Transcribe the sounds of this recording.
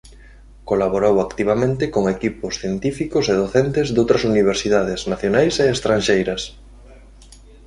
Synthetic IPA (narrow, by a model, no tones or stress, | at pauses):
kolaβoɾowakt̪iβ̞amẽnt̪ɪkoŋekipʊsθjent̪ifikʊseð̞oθent̪ɪzðowt̪ɾɐsuniβ̞eɾsiðaðeznaθjonajseːst̪ɾanʲʃejɾɐs